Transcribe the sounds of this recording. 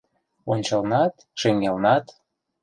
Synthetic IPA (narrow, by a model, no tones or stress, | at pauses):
onʲt͡ɕəlnɑt̪ | ʃeŋelnɑt̪